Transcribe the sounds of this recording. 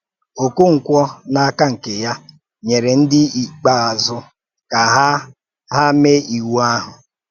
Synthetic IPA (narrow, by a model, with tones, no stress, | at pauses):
o˨ku˦ŋ̩˨kʷɔ˦na˦a˦ka˦ŋ̩˨ke˨ja˦ | ɲe˨ɾe˨n̩˦dɪ˦i˨k͡pa˦a˨zʊ˦ | ka˨ɦ | ɦa˦me˦i˨wu˦a˦ɦʊ˨